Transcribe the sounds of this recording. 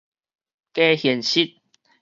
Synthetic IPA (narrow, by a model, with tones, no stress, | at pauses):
ke˦hjɛ˨˩nɕi˦t̪̚